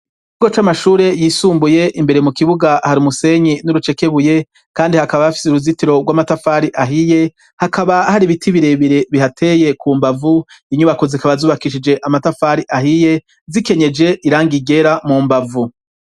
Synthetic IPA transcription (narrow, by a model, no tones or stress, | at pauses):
ɡot͡ʃamaʃuːɾe̞jiːsuːmbuje̞ʔimbe̞ɾemukiβuɡahaɾimuse̞ɲinuɾut͡ʃe̞ke̞βuje̞ | kaːndihakaβahafi̥seuɾuzitiɾo̞ɡwamatafaːɾiʔaɦije̞ | hakʰaβahaɾiβitʰiβiɾe̞βiɾe̞βihatʰe̞je̞kʰumbavuiɲuβakozikaβazuːβakiʃid͡ʒe̞ʔamatafaɾiʔahije̞ | zike̞ɲe̞d͡ʒe̞ʔiɾaːŋɡiɡe̞ɾamuːmbavu